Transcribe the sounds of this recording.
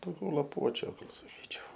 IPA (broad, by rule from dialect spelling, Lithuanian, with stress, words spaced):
dɐʊˈɡʲɛʊ lˠɐˈpuɔt͡ʃʲʊ ɡɐlˠ sɐˈkʲiːt͡ʃʲɛʊ